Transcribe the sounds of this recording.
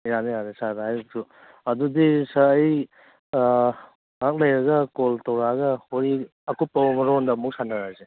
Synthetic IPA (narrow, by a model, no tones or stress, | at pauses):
iɾanihaɾesadaɦajuk̚su | ɐdudisaːj | ŋak̚lɐjɾɐɡɐkoltawɾaɡɐhoɾi | ɐkupːɐmɐɾondɐmuk̚sanaɾaze